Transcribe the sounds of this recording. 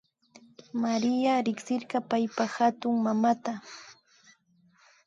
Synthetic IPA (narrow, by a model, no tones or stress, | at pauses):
maɾɪjaɾɪksɪɾɢɑpajpahat̪ʊŋmamat̪a